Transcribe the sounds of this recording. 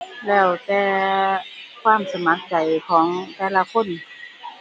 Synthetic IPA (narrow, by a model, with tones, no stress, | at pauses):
lɛː˧˩wt̪ɛː˧ | kʰwaː˧˥˨msa˧ma˨˧˥k̚da˨˩jkʰɔː˩˦ŋt̪ɛː˧˩la˧kʰo˧˥˨n